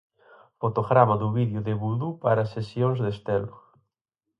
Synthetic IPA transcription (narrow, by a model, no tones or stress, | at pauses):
fot̪oɣɾamaðuβiðjʊðeβuðupaɾasesjoŋzðest̪elʊ